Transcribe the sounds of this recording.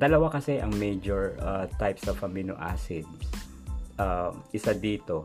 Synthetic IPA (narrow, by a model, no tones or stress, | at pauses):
d̪ɐlɐwakɐsɛʔɐŋmɛjd͡ʒoɹat̪ajpsɐvɐmino̰ʔa̰ːsɪd̪s | ʔaʔɪsad̪iːt̪o